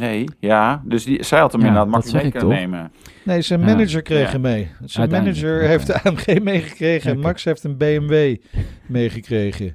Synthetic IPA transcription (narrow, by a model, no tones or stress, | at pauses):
nejjaːdəsdisɛlˠtəmɪnamsɛɪktɔemənejsənmɛnɪd͡ʒəɹkrejχəmejsənmɛnɪd͡ʒəɹɦejfdəaːɛmχejmejχəkrejχəɛnmɑksɦejftənbejɛmʋejmejχəkrejχə